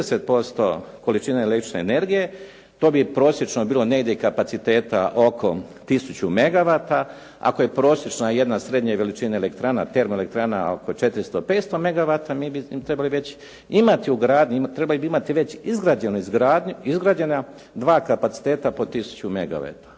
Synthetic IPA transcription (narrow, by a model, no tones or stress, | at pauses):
eset̪̚po̞st̪o̞̰ko̞lit͡ʃiːnaelek̪ɾi̥t͡ʃneːne̞ɾɡije̞ | t̪o̞ːbipɾo̞ːsjet͡ʃnobiːlˠo̞ne̞ɡd̪jeikapat̪sit̪e̞ːt̪a̰ʔo̞kʰo̞t̪isut͡ɕume̞ɡaʋaːt̪a | a̰koje̞pɾo̞ːsjet͡ʃnaje̞d̪nasɾe̞d̪ɲaʋe̞lit͡ʃinaelekt̪ɾaːna̰t̪e̞ɾmoele̞k̚t̪ɾaːna̰o̰kot͡ʃe̞t̪ɾist̪ope̞ːt̪st̪o̞me̞ɡaʋat̪amiːbit̪ɾe̞baliʋe̞t͡ɕ | imat̪iuɡɾaːd̪ɲut̪ɾebalibiimat̪iʋe̞t͡ɕizɡɾaːd͡ʑenuizɡɾaːd̪ɲuizɡɾaːd͡ʑe̞na | d̪ʋaːkapat̪si̥t̪eːt̪apo̞t̪isu̥t͡ɕumeɡa̰ʋa̰t̪ḁ